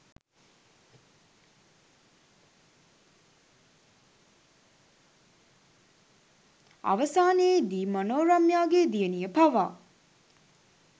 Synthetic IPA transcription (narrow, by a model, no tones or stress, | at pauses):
a̰ʋəsaːneed̪iːmonoːɾamjaːɡed̪ijənijəpaʋaː